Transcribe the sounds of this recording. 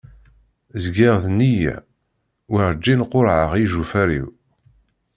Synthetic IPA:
zɡiʁðnijæ̰ | wəʁd͡ʒːinqoɾʕəʁiʒufæɾḭw

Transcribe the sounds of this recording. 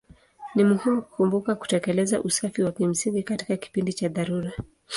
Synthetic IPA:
nimuhimuku̥kumbukaku̥tɛkɛlɛzaʔusafiwakim̩siŋɡikati̥kaki̥pindit͡ʃaðaɾuɾa

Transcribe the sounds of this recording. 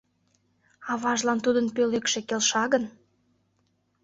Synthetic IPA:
ɑβɑʒlɑnt̪ud̪ənpølekʃekelʃɑɣən

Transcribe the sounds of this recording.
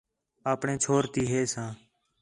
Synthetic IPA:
aːpɳẽːt͡ʃʰoːɾt̪iːɦeːsãː

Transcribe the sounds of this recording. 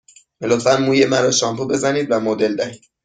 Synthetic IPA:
melot̪fænmuːjemæɾɒʃɒmpube̞zæniːd̪væmod̪e̞ld̪æhiːd̪̥

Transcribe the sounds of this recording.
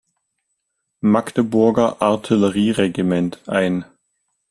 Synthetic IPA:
maktəbʊɐɡɐʔaɐtʰiləʁiːʁeɡimɛntʰʔaɪn

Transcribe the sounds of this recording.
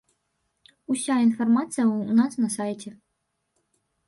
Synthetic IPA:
usʲainfarmat̪sɨjɐunasnɐsajt͡sʲɛ

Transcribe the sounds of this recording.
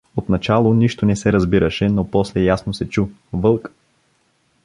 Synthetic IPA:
ot̪nɐt͡ʃalˠoniʃt̪onɛsɛɾɐzbiɾəʃɛnopɔslɛjasnosɛt͡ʃu | vɤlˠk

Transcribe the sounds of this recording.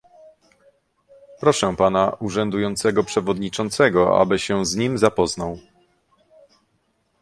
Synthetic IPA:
pɾɔʂɛpanaʔuʐɛnd̪ujɔnt̪sɛɡɔpʂɛvɔd̪ɲit͡ʂɔnt̪sɛɡɔa̰bɘɕɛwzɲimzapɔznaw

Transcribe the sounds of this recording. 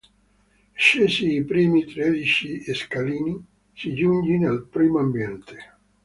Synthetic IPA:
ʃeːsiːpɾiːmit̪ɾed̪it͡ʃieskaliːni | sid͡ʒuɲd͡ʒinalpɾiːmoambjɛnt̪ʰe̥

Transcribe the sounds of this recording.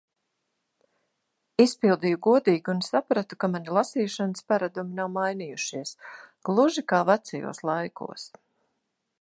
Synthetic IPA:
ispilˠd̪ijuɡuɔd̪iːɡiunsapɾat̪u̥kamanilˠasiːʃanəspaɾad̪uminawmajniːjuʃiɛsɡ̥lˠuʒikaːvat̪sɛjṵːslˠajkṵɔs

